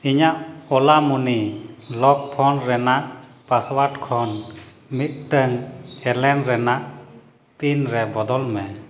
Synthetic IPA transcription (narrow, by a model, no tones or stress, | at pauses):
iɲaʔɔlamunilɔk̚pʰɔnɾɛnaʔ | paswaɾʈkʰɔn | mit̪̚ʈəŋɛlɛnɾɛnaʔ | t̪inɾɛbɔd̪ɔlmɛ